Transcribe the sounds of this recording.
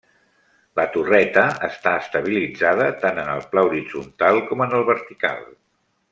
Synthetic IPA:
lət̪urɛt̪əəst̪aəst̪əβ̞ilid͡zaðət̪anənəlˠplauɾid͡zunt̪alˠkɔmənəlˠβəɾt̪ika̰lˠ

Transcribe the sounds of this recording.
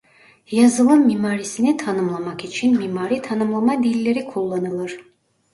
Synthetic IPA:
jazɯlˠɯmːimaːɾisinit̪ʰanɯmlˠamakit͡ʃʰinmimaːɾit̪ʰanɯmlˠamad̪ilʲːe̞ɾikʰulˠːanɯlˠɯɾ̥

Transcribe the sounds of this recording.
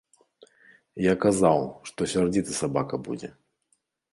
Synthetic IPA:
jakazawʂt̪ɔsʲard͡zʲit̪ɨsabakɐbṵd͡zʲɛ

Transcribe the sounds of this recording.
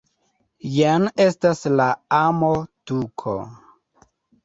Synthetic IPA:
janestaslaamotukʰo̰

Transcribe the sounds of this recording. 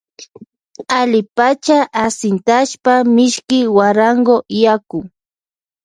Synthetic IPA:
alɪpat͡ʃaʔasɪnt̪aʃpamɪʃkɪwaɾaŋɡojakʊ

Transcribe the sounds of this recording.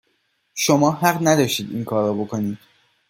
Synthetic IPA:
ʃomɒːɦæɢnæd̪ɒːʃt̪iːd̪ḭːnkʰɒːɾɔbokʰo̞niːd̪̥

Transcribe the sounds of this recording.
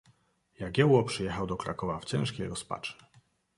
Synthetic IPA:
jaɡʲjɛwɔpʂɨjɛxawd̪ɔkɾa̰kɔvaft͡ɕɛ̃ʂkʲejɾɔspa̰t͡ʂɨ̥

